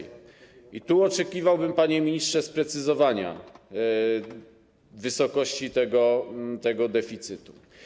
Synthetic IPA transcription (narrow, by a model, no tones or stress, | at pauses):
it̪uɔt͡ʂɛkʲivawbɘmpaɲɛmʲiɲistʂɛspɾɛt̪sɘzɔvaɲa̰ | vɘsɔkɔɕt͡ɕit̪ɛɡɔt̪ɛɡɔd̪ɛfʲit̪sɘt̪u